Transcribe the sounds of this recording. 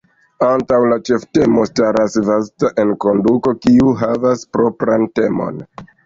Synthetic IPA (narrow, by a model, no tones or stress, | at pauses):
antawlat͡ʃe̞fte̞mostaɾasvastaʔe̞nko̞nduko̞kiuɦavaspɾo̞pɾante̞mo̞̰n